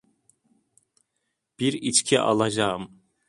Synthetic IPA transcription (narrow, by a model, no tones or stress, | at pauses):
b̥iɾit͡ʃcʰiʔɑ̰lˠɑd͡ʒɑɯm